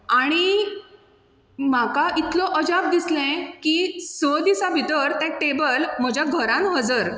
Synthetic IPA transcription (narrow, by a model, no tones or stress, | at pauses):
aɽ̃i | m̤akaʔit̪lɔʔəd͡ʑab̚d̪islɛ̃kiːsɔd̪isabʱit̪əɾt̪ɛ̃ʈebəlm̤əd͡ʑʱjaɡʱəɾãnɦəd͡zəɾ